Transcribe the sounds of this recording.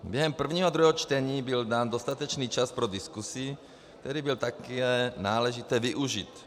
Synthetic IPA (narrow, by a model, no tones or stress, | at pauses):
bjɛɦɛmpr̩vɲiːɦod̪ɾuɦɛɦɔt͡ʃt̪ɛɲiːbɪldaːnd̪ost̪at̪ɛt͡ʃniːt͡ʃaspɾodɪskusi | k̚t̪ɛɾiːbɪlt̪akɛnaːlɛʒit̪ɛːvɪʔuʒit̪